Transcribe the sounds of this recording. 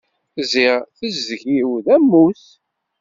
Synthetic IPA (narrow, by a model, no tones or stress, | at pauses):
ziʁθəzːʝiwðæmːus